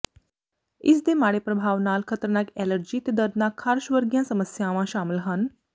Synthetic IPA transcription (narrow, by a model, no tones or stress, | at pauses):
ḭsd̪emaɽepɾəbʱaːʋnaːlkʰət̪ɾnakɛləɾd͡ʑiːt̪ed̪əɾd̪nakʰaɾʃʋəɾɡjãsəməsjãʋãɕaməlɦan